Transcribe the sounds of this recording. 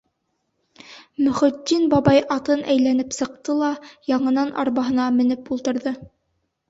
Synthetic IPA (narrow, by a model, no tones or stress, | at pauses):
mɵ̆χɵ̆d̪ːinbɑbɑjɑt̪ɤnʔæjlænɘpsɤ̆q̚t̪ɤlˠɑjɑɴɤ̆nɑnʔɑ̰ɾβɑɦɤ̆nɑmɘ̆nɘpulˠt̪ɤ̆ɾðɤ